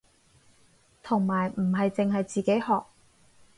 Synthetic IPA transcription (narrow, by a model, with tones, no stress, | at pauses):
t̪ʰʊ˨˩ŋmaː˨˩jm̩˨˩ɦɐ˨jt͡sɪ˨ŋɦɐ˨jt͡siː˨ke˨˥jhɔː˨k̚